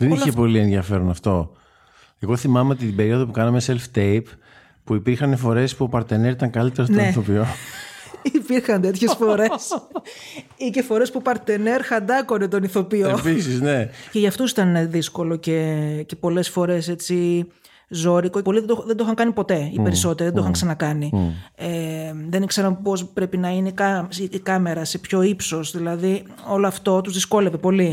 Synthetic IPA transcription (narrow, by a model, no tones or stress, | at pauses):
ðeniçepo̞lienðiɐfe̞ɾonɐft̪o̞ | e̞ɣo̞θimɐmeot̪it̪ibe̞ɾioðopukɐnɐmeselft̪ejp | puipiɾxɐnefo̞ɾe̞spuopɐɾt̪ene̞ɾit̪ɐŋkɐlit̪eɾot̪oneiθo̞pio̞ | ipiɾxɐnt̪e̞t̪çe̞sfo̞ɾe̞s | ice̞fo̞ɾe̞spupɐɾt̪eneɾxɐnd̪ɐko̞net̪o̞niθo̞piopisiznece̞ʝɐft̪usit̪ɐnðisko̞lo̞ce̞ce̞po̞le̞sfo̞ɾe̞se̞t͡si | zo̞ɾikoo̞liðd̪oxðend̪oxɐŋkɐnipo̞t̪e̞ḭpe̞ɾiso̞t̪eɾiðd̪oxɐŋksɐnɐkɐnieðenikseɾɐnpo̞spɾe̞pinɐineikɐikɐme̞ɾɐsepço̞ipso̞sðilɐði | o̞loɐft̪ot̪uzðisko̞le̞ve̞po̞li